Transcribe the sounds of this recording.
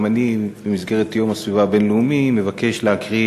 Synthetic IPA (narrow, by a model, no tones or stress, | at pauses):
manibemizɡe̞ʁetjo̞masvivabe̞nleumime̞vake̞ʃleakʁi